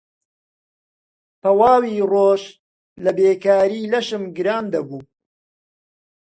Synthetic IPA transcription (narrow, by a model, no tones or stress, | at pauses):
pɐwaːwiːroːʃ | lɐbeːkaːɾiːlɐʃɨmɡɨɾaːnd̪ɐbuː